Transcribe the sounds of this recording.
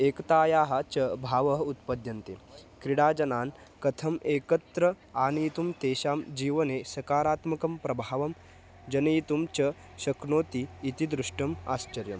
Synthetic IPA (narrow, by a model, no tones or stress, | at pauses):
eːkt̪aːjaːɦɐt͡ʃɐbʱaːʋɐɦɐut̪̚pɐd̪jɐnt̪ḛkɾiɽaːd͡ʒɐnaːn | kɐt̪ʰɐmeːkɐt̪ɾɐ | aːnit̪umt̪eːɕaːmd͡ʑiːʋɐnesɐkaːɾaːt̪mɐkɐmpɾɐbʱaːʋɐm | d͡ʒɐnɐit̪umt͡ʃɐ | ɕɐknoːt̪iːt̪id̪ɾuʂʈɐma̰ːst͡ʃɐɾjɐ̰m